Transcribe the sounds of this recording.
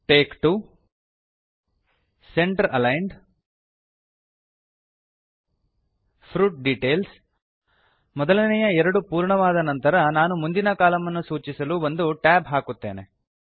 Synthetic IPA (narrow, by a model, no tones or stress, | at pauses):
ʈeːkʈu | seɳʈɐɾɐlɐjɳɖ | pʰɾuːʈ̚ɖiʈeːls | mɔd̪ɐlɐnɛjɐɛɾɐɽupuːɾɳɐʋaːd̪ɐnɐnt̪ɐɾɐnaːnumund̪inɐkaːlɐmɐnːusuːt͡ʃisɐluːond̪uʈaːbɦaːkut̪ːe̞ːne